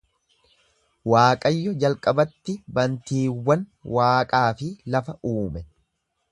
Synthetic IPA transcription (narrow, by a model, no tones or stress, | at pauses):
waːkʼɐjːɔd͡ʒɐlkʼɐbɐt̪ːɪbɐnt̪iːwːɐnwaːkʼaːfɪlɐfɐʔuːmɛ